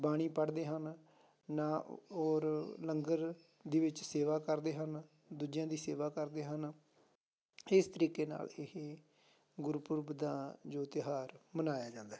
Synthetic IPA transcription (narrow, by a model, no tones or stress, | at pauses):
baːɽ̃iːpəɽd̪eːɦən | naːoːɾləŋɡəɾ | d̪iːʋɪt͡ʃseːʋaːkəɾd̪eːɦən | d̪uːd͡ʒjãːd̪iːseːʋaːkəɾd̪eːɦən | ɪst̪əɾiːkeːna̰ːlɪɦe | ɡʊɾpʊɾbd̪ãːd͡ʒoːt̪ɪɦaːɾmənaːjaːd͡ʒãːnd̪aːɦ